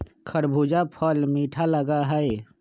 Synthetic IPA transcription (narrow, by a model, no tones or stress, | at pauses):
kʰəɽbʱuːd͡ʒapʰəlmiːʈʰaləɡaɦəe